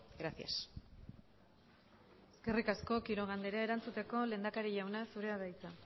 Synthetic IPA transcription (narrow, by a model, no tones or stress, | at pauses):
ɡɾasia̰s | e̥ske̞rikasko̞kiɾo̞ɣ̞and̪e̞ɾae̞ɾant͡sut̪e̞ko̞le̞ːnd̪akaɾiʝawnasuɾe̞að̞ajt͡sa